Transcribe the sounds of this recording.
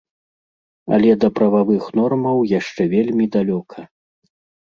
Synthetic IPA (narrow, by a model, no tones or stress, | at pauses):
ɐ̰lʲɛd̪ɐpɾɐvavɨxnɔrmɐwjaʂt͡ʂɛvʲelʲmʲid̪alʲɔkʰɐ